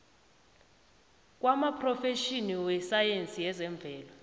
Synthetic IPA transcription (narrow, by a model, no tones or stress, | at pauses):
k̬ʼwamapʰrɔfeʃiniwɛsajent͡sʼiɛzɛɱb̪vʱɛːlɔ